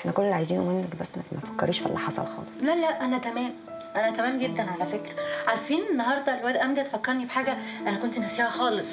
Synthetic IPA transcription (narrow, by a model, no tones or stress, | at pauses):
ħnækonːelʕajziːnwomenːækbæsːnækmæt̪fækːɑ̰ɾiːʃfæ̰lːɑ̰ħɑsˤɑ̰lxɑ̰ːlesˤlælæʔʔænæt̪æmæːm | ʔænæt̪æmæːmɡed̪ːænʕalæfekɾæʕaɾæfiːnʔenːɑɦɑɾˤd̪ˤɑrwæd̪ʔæmɡæt̪fækːɑɾˤnibeħaːɡæ | ʔænækont̪enhæsiːhæxɑːlesˤ